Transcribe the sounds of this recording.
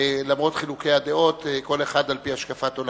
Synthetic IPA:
lamʁo̞t̪χilukejad̪eo̞t̪ko̞le̞χad̪alpiaʃkafat̪ol

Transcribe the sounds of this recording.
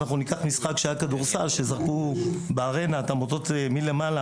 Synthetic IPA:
naχnunikaχmisχakʃeajakad̪uʁsalʃezaʁkubeaʁe̞nat̪amot̪o̞t̪emilemala

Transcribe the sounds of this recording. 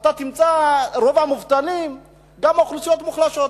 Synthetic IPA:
at̪at̪imt͡saɾo̞vamuvt̪anim | ɡamaχlusijo̞t̪muχlaʃo̞t

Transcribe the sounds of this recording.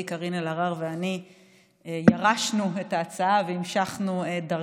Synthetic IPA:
ikaʁinelaʁaʁveani | ejaʁaʃnuetaːt͡saaveimʃaχnueda

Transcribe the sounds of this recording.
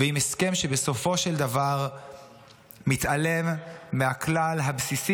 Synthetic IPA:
veimeskemʃebeso̞fo̞ʃeld̪avaʁ | mit̪ʔalemːeaklalɦabsisi

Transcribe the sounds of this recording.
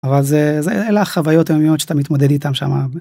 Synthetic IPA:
avalzezeelaχavajo̞t̪ajomiotʃat̪amit̪mod̪ed̪it̪amʃa̰ma

